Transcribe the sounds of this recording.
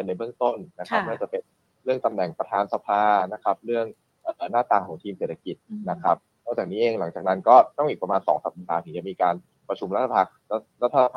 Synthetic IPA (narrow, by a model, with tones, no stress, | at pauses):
ɤ˧nːa˧jbɯ˥˩əŋt̪o˥˩nna˦˥kʰa˦˥p̚nɯ˥˩t͡ɕa˨˩pe˧n | ɾɯ˥˩əŋt̪a˧mnɛ˨˩ŋpɾa˧t̪ʰaː˧nsa˧pʰaː˧na˦˥kʰa˦˥p̚ɾɯ˥˩əŋ | ʔɤː˨˩naː˥˩t̪aː˨˩ŋkʰɔː˩˦ŋt̪ʰiː˧mse˨˩t̪ʰa˧ki˨˩t̪̚na˦˥kʰɾa˦˥p̚ | nɔ˥˩kt͡ɕaː˨˩k̚niː˦˥ʔeː˧ŋla˩˦ŋt͡ɕaː˨˩na˦˥nkɔː˥˩t̪ɔ˥˩ŋʔiː˨˩kpɾmaː˧nsɔ̰ː˩˦ŋsa̰˨˩p̚laː˨˧t̪ʰɯ˩˦t͡ɕa˨˩miː˧kaː˧n | pɾa˧t͡ɕʰu˧mɾa˦˥t̪ʰa˧a˧˩˥ɾa˦˥t̪ʰːa˧pʰa˧